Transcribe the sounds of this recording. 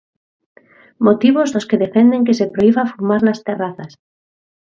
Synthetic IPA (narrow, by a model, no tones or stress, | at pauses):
mot̪iβ̞ozðoskeðefend̪eŋk̬esepɾoiβafumaɾnast̪eraθas